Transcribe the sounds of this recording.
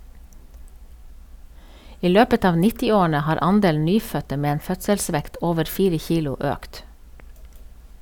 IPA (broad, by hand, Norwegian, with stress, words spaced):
ˈiː ˈløːpət ˈɑːʋ ˈnɪtɪˌoːɳ̩ə ˈhɑːɾ ˈʔɑnˌdeːln̩ ˈnyːfœtə ˈmeː ˈeːn ˈfœtsəlˌsʋɛkt ˈoːʋəɾ ˈfiːɾə ˈçiːlʊ ˈʔøːkt